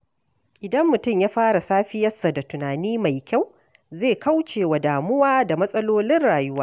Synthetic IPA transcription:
ʔɪ˨dɐ˦mːʊ˨tʊ˦˨mjaː˦ɸaː˦ɽa˨saː˦ɸɪ˦jɐ˦sːa˨da˨tʊ˨naː˨niː˦ma˨jkʲa˦˨w | zeː˦˨ka˦wt͡ʃeː˨wa˨daː˨mʊ˦waː˦da˨mɐ˦sʼɐ˦loː˦lɪ˦nɽaː˨jʊ˦waː˦

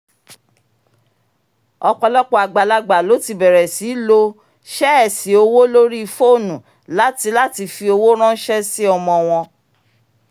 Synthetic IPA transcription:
ɔ˧k͡pɔ˧lɔ˦k͡pɔ˦a˨ɡ͡ba˨la˧ɡ͡ba˨lo˨˦ti˧˦bɛ˨ɾɛ˨si˨˦lo˧ | ʃɛ˦ɛ˨si˨o˧wo˦lo˦ɾi˦i˧fo˦˨nũ˨ | la˨˦ti˧la˦ti˧fi˧o˧wo˦ɾ̃ã˦n̩˦ʃɛ˦si˦ɔ˧mɔ̃˧w̃ɔ̃˧

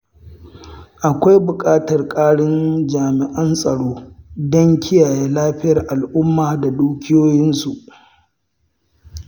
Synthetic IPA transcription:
ʔa˨kʷa˦jbʊ˨kʼaː˦tɐ˨rkʼaː˦ɽɪ˦nd͡ʒaː˨mɪ˨ʔɐ˦nsʼɐ˨ɽoː˦dɔ˦ŋkʲɪ˦jaː˨jeː˦laː˦ɸɪ˦jɐ˨rʔa˨lʔʊ˦mːaː˨da˨duː˦kʲɪ˦joː˦jɪ˦nsu˨ʔ

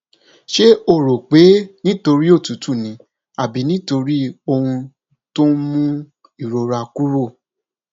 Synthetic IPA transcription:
ʃe˦o˦˨ɾo˨k͡pe˨˦nĩ˦to˧ɾi˦o˦˨tu˨˦tu˦˨nĩ˨˦ | a˨bi˨˦nĩ˦to˧ɾi˦o˧hũ˧ | to˦mũ˦ | i˦˨ɾo˨ɾa˧ku˦ɾo˦˨

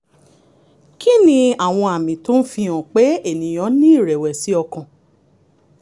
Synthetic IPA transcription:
ki˦nĩ˧a˨w̃ɔ̃˧a˨mĩ˨to˦n̩˦fĩ˧ɔ̃˨k͡pe˨˦e˦˨nĩ˨j̃ɔ̃˨˦nĩ˦i˦˨ɾɛ˨wɛ˨si˨˦ɔ˧kã˨

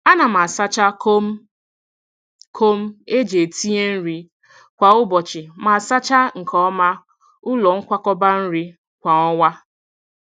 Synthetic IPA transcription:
a˦na˨m̩˨a˨sa˦t͡ʃa˦k | kʰo˦m̩˦e˦d͡ʒe˨tʰi˦e˦n̩˦ɾi˦ | kʷa˨ʊ˦bɔ˨t͡ʃɪ˨ma˨sa˦t͡ʃa˦ŋ̩˨kʰɔ˦ma˦ | ʊ˦lɔ˨ŋ̩˦kʷa˦kɔ˦ba˦n̩˦ɾi˦ | kʷa˨ŋɔ˦wa˦

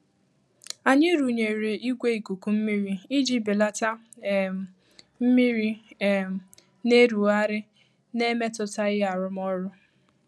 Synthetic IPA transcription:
a˨ɲɪ˦ɾu˨ɲe˨ɾe˨i˦ɡʷe˦i˨ku˨ku˨m̩˦mi˦ɾi˦i˦d͡ʒi˦bi˨la˦ta˦˨ | m̩˦mi˦ɾi˦˨ | ne˦ɾu˨a˦ɾɪ˦ | ne˦me˦tʊ˦ta˦ɣɪ˦a˨ɾʊ˦m˦ɔ˦ɾʊ˦

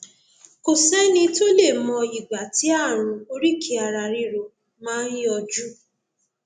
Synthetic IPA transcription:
ko˨sɛ˦nĩ˧to˦le˦˨mɔ̃˧i˨ɡ͡ba˨ti˦a˦˨ɾ̃ũ˨o˦ɾi˦kʰi˨˦a˨ɾa˨ɾi˧ɾo˧ | mãː˦n˦ji˦ɔ˧d͡ʒu˦

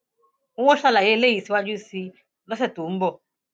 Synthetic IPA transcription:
u˦ɔ˦ɬa˦la˨jɛ˦le˦ji˨si˦wa˦d͡ʒu˦si˦ | lɔ˦sɛ˨tu˨˦m̩˦bɔ˨

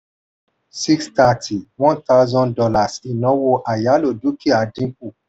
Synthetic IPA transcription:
si˦ksta˧tʰi˨wɔ̃˦nt̪a˦ʊzɔ̃˦ndɔ˧la˨si˨nɔ̃˨˦wo˧ʔa˨ja˨˦lo˨du˨˦ki˦a˨dĩ˦k̚u˦˨

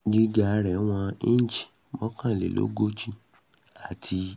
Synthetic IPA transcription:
ɡi˧ɡa˨˧ɾɛ˨˦w̃ɔ̃˧ĩ˦n˦d͡ʒi̥˨ | mɔ̃˦kã˦˨lḛ˨lo̰˦ɡo˦t͡ʃi˦ | a˨tʰi˧

